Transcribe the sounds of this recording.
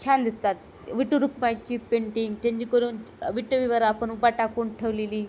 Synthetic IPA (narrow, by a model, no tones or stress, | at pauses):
t͡ɕʰand̪ist̪at̪ | ʋiʈuɾukmajt͡ɕiːpeɳʈiŋɡt͡ɕ̪ẽɲd͡ʑikəɾuːn | ʋiʈːoʋiʋəɾapəɳubaʈakuɳʈʰeʋleliː